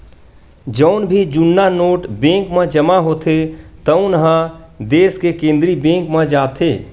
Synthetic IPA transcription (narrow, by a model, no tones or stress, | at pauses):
d͡ʒəʊnbʱid͡ʒunːanoːʈbẽŋkmẽd͡ʒəmaɦot̪ʰet̪əʊ̃nɦə̃d̪eskekẽnd̪ɾibẽŋkmẽd͡ʒat̪ʰe